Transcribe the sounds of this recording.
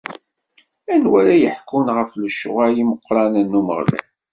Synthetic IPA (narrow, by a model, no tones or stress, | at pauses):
ænwæɾæjəħkːunʁəfləʃːʊ̰ʁajiməqːɾˤɑnənːumə̰ʁlæ̰